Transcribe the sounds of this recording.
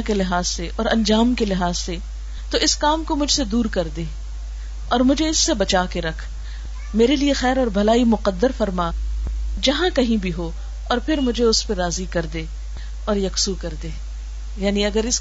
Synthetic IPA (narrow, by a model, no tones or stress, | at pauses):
kelɪɦaːzseʔɔːɾɐ̃nd͡ʒaːmkelɪɦaːzse | t̪oʔɪskaːmkomʊd͡ʒʱsed̪uːɾkɐɾd̪eː | ɔːɾmʊd͡ʒʱeɪsːebɐt͡ʃaːkeɾɐkʰ | meːɾeliexɛːɾɔːɾbʱɐlaːimʊqəd̪ːəɾfɐɾma | d͡ʒɐɦãkɐɦĩbʱiɦo | ɔːɾpʰɪɾmʊd͡ʒʱeʊspeɾaːzikɐɾd̪eː | ɔːɾjɐksukɐɾd̪eː | jaːniɐɡəɾɪs